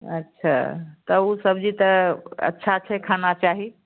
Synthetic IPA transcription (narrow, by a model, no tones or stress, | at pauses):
ətːʃʰa̰t̪əusəbd͡ʒit̪əə̰tːʃʰat͡ʃʰɛkʰanat͡ʃaɦi